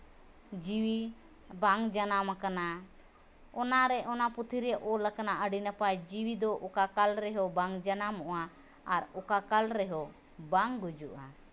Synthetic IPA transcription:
d͡ʒiwi | baŋd͡ʒanamakana | ɔnaɾɛʔɔnaput̪ʰiɾɛʔɔlakanaʔəɖinapad͡ʒiwid̪ɔʔɔkakalɾɛɦɔbaŋd͡ʒanamɔʔaː | ɾɔkakalɾɛɦɔ | baŋɡud͡ʒuʔa

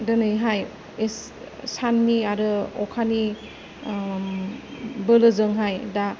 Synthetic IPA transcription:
dɯnɯjɦaj | es | sanːiaɾɯɔkʰani | bɯlɯzɯŋɦajda

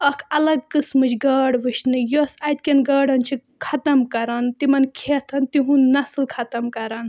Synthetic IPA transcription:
ɐkʰɐlɐɡ̚kɨsmɨt͡ʃʰɡəːɽʋɨʃnɨjosɐt̪̚ʲkʲɐnɡɐːɽɐnt͡ʃʰi | kʰɐt̪ɐmkɐɾɐnt̪imɐnkʰet̪ʰɐnt̪iɦũnnɐslkʰɐt̪ɐmkɐɾɐn

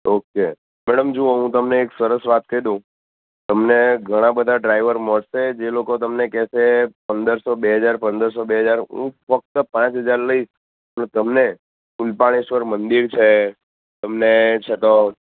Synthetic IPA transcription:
oke | mɛɽəmd͡ʒuoɦũt̪əmneːksəɾəsʋat̪̚kəid̪ũ | t̪əmneɡʱəɽ̃ãbəd̪ʱaɖɾaiʋəɾməɽʃed͡ʒelokot̪əmnekɛsepənd̪əɾsobeɦəd͡ʒaɾpə̃nd̪əɾs̬obeɦəd͡ʒaɾɦṵ̃fək̚t̪əpãt͡ʃɦəd͡ʒaɾləis | t̪əmne | kulpaɽ̃iʃʋəɾmənd̪iɾt͡ʃʰe | t̪əmnet͡ʃʰet̪o

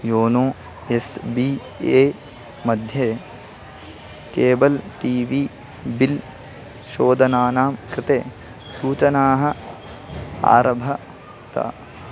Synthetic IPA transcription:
joːnoː | esbi | eː | mɐd̪ʱjeː | keːbɐlʈiːʋiː | bil | ʃoːd̪ɐnaːnaːmkɾɪt̪eː | suːt͡ʃɐnaːɦɐ̆ | a̰ːɾɐbʱɐ | t̪a̰ː

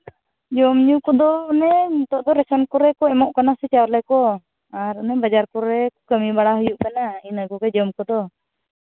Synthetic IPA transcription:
d͡ʒɔmɲukɔd̪ɔnɛt̪ɔʔd̪ɔɾɛsɔnkɔɾɛkɔɛmɔʔkanasɛt͡ʃawɾlɛkɔ | aɾənɛbad͡ʒaɾkɔɾɛkɔkəmibaɽaɦɔjuʔkanainəkɔkɛd͡ʒɔmkɔd̪ɔ

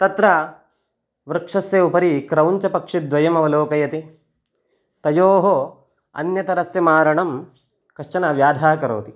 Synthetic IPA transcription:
t̪ɐt̪ɾa | ʋɾɨkʂɐsjeupɐɾikɾɐwɲt͡ʃɐpɐkʂid̪ʋɐjɐmɐʋɐloːkɐjɐt̪i | t̪ɐjoːɦo | ɐ̰njɐt̪ɐɾɐsjɐmaːɾɐɳɐm | kɐʂt͡ʃɐnɐʋjaːd̪ʱaːkɐɾo̰ːt̪i

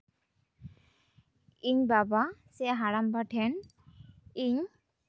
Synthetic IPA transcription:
iɲbabasɛɦaɾambaʈʰɛn | iɲ

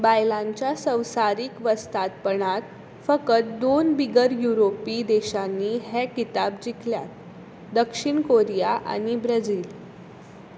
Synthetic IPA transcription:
bajlãɲt͡ɕjasə̃wsaɾiːkʋəst̪at̪̚pəɳat̪ | fəkət̪̚d̪onbiɡəɾjuɾopid̪eɕanːiːɦɛkit̪ab̚d͡ʑikʰlja̰t̪̚ | d̪əkʂiɳkoɾijaʔa̰ɽ̃ibɾəd͡ziːl

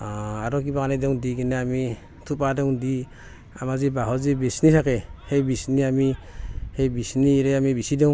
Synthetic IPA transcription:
aaɾɔk̬ibaɡanadɔŋdiɡineami | tʰupadɔŋdi | amazibaɦɔzibisnisakehejbisniamihejbisniɾeamibisidɔŋ

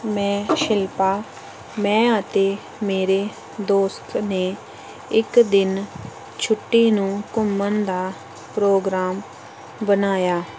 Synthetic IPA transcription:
mɛ̃ːʃɪlpaː | mɛ̃ːət̪eː | meːɾeː | d̪oːst̪neː | ɪkd̪ɪn | t͡ʃʰʊʈːiːnũːkʊmːənd̪aː | pɾoːɡɾaːm | bənaːjaː

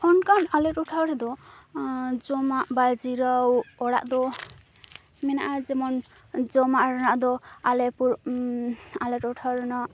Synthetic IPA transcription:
ɔnkanalɛʈɔʈʰawɾɛd̪ɔ | d͡ʒɔmaʔbajd͡ʒiɾawɔɽa̰ʔd̪ɔ | mɛnaʔad͡ʒɛmɔn | d͡ʒɔmaʔɾɔnaʔd̪ɔalɛpuɾ | alɛʈɔʈʰawɾɛnɔ

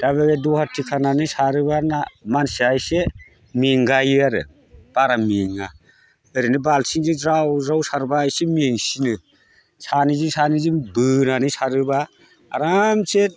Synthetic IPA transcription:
d̥aβeɡedɔhatʰikʰananɯsaɾɯbanamansiajse | miŋɡajɯaɾɯ̰ | b̥aɾamiŋa | ɯɾinɯbalsiŋd͡ʒizɾawzawsaɾbaːjsemiŋsinɯ | sanizisanizibɯnanɯsaɾɯbaː | ɾamset̚

